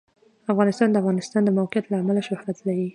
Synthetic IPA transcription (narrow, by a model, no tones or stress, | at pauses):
afɣɑnɪst̪ɑnd̪əafɣɑnɪst̪ɑnd̪əmawqɪjat̪laːmalaʃʊhɾat̪laɾi